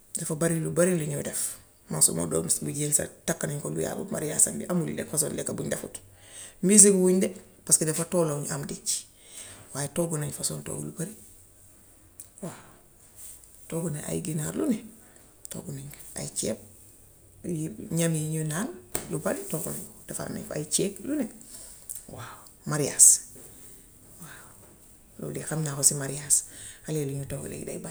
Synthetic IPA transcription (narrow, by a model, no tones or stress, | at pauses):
dɛfabaɾilubaɾiluɲoːdɛf | mansṵmo̰do̰nsbuɟelsa̰takːaniɲkolṵja̰ːlṵma̰ɾjasa̰ndḭʔamulḭlɛ̰kfasoːndɛkabuɲdefut | mbis̬iɡuwuɲde | paskedɛfatoːloɲʔamdit͡ʃ | waːjetoɡunaɲfasoːnto̰ːɡṵlubaɾi | wa | toːɡuneʔa̰jiɡinaɾlune | to̰ɡunaɲa̰it͡ʃep̚ | jiɲamiɲunallubaɾitoɡunaɲdafa̰ɾna̰ɲa̰it͡ʃeːklune | waw | maɾijas | waw | lṵdixamɲafosimaɾijashaleːluɲutoɡṵlḛɡida̰iba